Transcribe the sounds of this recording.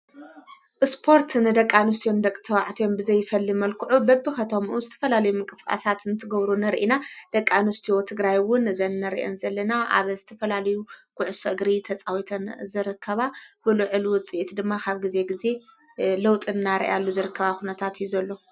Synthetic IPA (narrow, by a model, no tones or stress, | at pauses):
ʔɨspʰo̞ɾt̪nɨd̪ɐkʼːanus̬t̪ʰijo̞nd̪ɐkʼt̪ʰɐwaʕt̪ʰijo̞mbɨzɐjːfɐlːimɐlkʰuʕubɐbːɨxɐt̪ʰo̞mʔuzɨt̪ʰɐ̥fɐlalɐjumɨŋkʼɨskʼa̰sat̪nɨt̪ʰɨɡɐβɾunɐɾʔinad̪̥ɐkʼːanust̪ʰijot̪ʰɨɡɾajwʊnɨzɐnːɐɾḭʔḛnzɐlːɐnaʔa̰βzɨt̪ʰɐfɐlalɐjukʰʊʕʊsɐɡɾit̪ʰɐt͡sʼawit̪ʰɐnzɨɾɨkʰːɐβabɨlɨʕɨlwʊt͡sʼiʔit̪d̪ɨmːakʰaβɡize̞ɡize̞ | lɐwt̪ʼɨnnaɾḭʔalːuzɨɾɨkʰːɐβaxunɐt̪ʰat̪ijːuzɐlːo̞